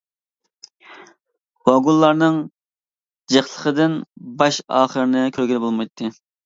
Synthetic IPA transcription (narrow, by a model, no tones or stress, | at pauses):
wɑɡulˠːɑɾnɨŋ | d͡ʒeχlˠəqəd̪ɪnbɑʃɑ̰ːχəɾɪnɨkʲʰøɾɡʲiɾɪbolˠmɑjt̪ʰːɨ